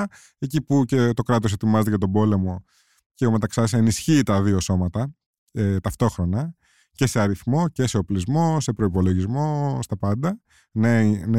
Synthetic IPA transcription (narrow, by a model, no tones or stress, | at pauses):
e̞cipucet̪o̞kɾɐt̪o̞s̬e̞t̪imɐzet̪eʝɐt̪o̞bo̞le̞mo̞ | ceome̞t̪ɐksɐse̞nisçiːt̪ɐðioso̞mɐt̪ɐ | et̪ɐft̪o̞xɾo̞nɐ | ce̞seɐɾiθmo̞ce̞se̞o̞plizmo̞se̞pɾo̞ipo̞lo̞ʝizmo̞st̪ɐpɐnd̪ɐ | nen